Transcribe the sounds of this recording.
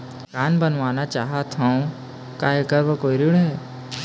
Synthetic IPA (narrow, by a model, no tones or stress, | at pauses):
kaːnbənʋaːnat͡ʃaːɦat̪ɦãõ | kaːekəɾʋəkoːiɾiɽɦɛː